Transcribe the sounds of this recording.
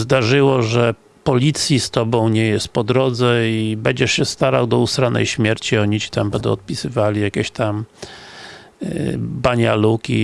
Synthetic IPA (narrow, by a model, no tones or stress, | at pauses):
zd̪aʐɘwɔʐɛ | pɔlʲit̪sʲjist̪ɔbɔ̃w̃ɲɛjɛst̪̚pɔd̪ɾɔd̪zɛibɛɲd͡ʑɛʂɕɛst̪aɾa̰wd̪ɔust̪ɾanɛ̰jɕmʲjɛɾt͡ɕiɔɲit͡ɕi̥t̪ambɛnd̪ɛ̰ɔt̪̚pʲisɘvalʲijakʲɛɕt̪am | baɲalukʲḭ